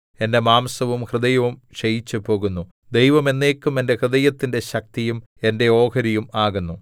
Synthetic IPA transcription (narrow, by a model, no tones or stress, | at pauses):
e̞nde̞maːmsɐʋumhrɨd̪ɐjɐʋumɕɐjit͡ɕːɨpo̞ːɣunːu | d̪ejʋɐme̞nːe̞ːkːume̞nde̞hrɨd̪ɐjɐt̪ːinde̞ɕɐk̚t̪ijume̞nde̞o̞ːkɐɾijumaːɣunːu